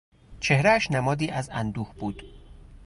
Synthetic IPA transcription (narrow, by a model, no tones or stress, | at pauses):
t͡ʃʰe̞hɾææʃnæmɒːd̪iːʔæzænd̪uːhbuːd̪̥